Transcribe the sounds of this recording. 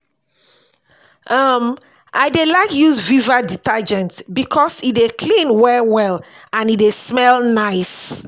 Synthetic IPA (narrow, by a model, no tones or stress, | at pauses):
ʔʌm | ʔaɪdelaɪkjuzvivaditad͡ʒɛ̃ntbikʰɔsitdekʰlĩnwɛwɛlãnidesmɛlnaɪs